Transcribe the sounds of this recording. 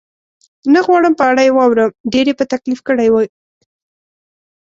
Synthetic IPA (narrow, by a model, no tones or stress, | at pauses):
nəɣwɑɽəmpəaɽajewɑwɾəmɖeɾepət̪aklifkəɽajwə